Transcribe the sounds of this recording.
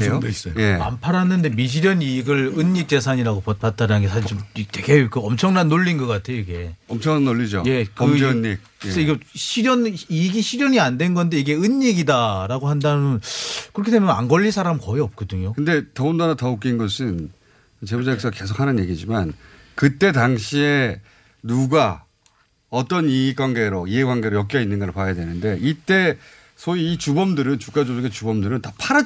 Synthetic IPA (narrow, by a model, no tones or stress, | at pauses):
jods͈ʌjojea̰mpʰaɾanːɯndemiɕ̬ʰiɾjʌniɡɯɭɯɲːik̚t͡ɕ͈e̞sʰaɲiɾaɡopʌp͈at̚t͈aɾanɯnɡesʰaɕʰiɭt͡ɕomteɡekɯʌmt͡ɕʰʌŋnanːoɭːinɡʌk͈atʰe̞joiɡe̞ʌmt͡ɕʰʌŋnanːoʎːid͡ʑo̰je̞kɯɯɲik̚ɯeeiɡʌɕʰiɾjʌniɡiɕʰiɾjʌɲiandwe̞nɡʌnde̞iɡe̞ɯɲːiɡidaɾaɡoɦandamjʌnkɯɾʌkʰidemjna̰ŋɡʌʎːisʰaɾamkʌiʌp̚k͈ʌdɯɲokɯnde̞tʌundanatʌok̬͈inɡʌsʰɯn | t͡ɕe̞bod͡ʑaiks͈ʰke̞sʰo̥kʰanɯnje̞ɡid͡ʑiman | kɯt͈e̞taŋɕʰie̞ | nuɡa | ʌt͈ʌnik͈waŋɡe̞ɾoiɦeɡwaŋɡe̞ɾojʌk͈iʌinːɯnɡʌɾpwajadwe̞nɯnde̞ʔit͈e̞ | sʰoiit͡ɕubʌmdɯɾɯnt͡ɕuk͈ad͡ʑooɡet͡ɕubʌmdɯɾɯntapʰaɾa